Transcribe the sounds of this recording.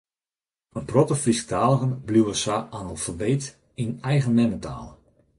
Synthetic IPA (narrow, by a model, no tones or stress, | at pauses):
ənprɔtəfrisk̚tʰaːlˠɣənbluwəsaanəlˠfəʋeːt | inɛjɣənmɛnətʰa̰ːlˠ